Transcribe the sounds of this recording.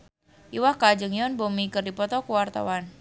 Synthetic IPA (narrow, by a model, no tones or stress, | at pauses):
ʔiwahkad͡ʒəŋjɔnbomikərdipɔt̪ɔkuwart̪a̰wan